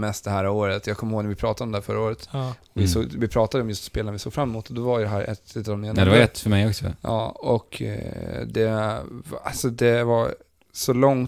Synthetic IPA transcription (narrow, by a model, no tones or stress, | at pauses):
mɛst̪̚d̪ɛhæːɾoːɾət̪jɑːɡ̚kʰɔmːhoːɡnɾvɪpʰɾɑːt̪ad̪ɔmd̪ɛhæːfœɾːaoːɾət̪ɔvɪsoːɡvɪpʰɾɑːt̪ad̪əɔmjɵst̪speːlanavɪsoːɡfɾamɛmuːt̪ɔd̪ɔvaɾjd̪ɛɦæːɾʔɛ̰t̪ɪt̪ːmeːnd̪ɛvaɾɛt̪ːfœmɛjɔksɔ̰ɑ̰ːɔk | d̪ɛ | a̰lsɔd̪ɛva | sɔlɔŋ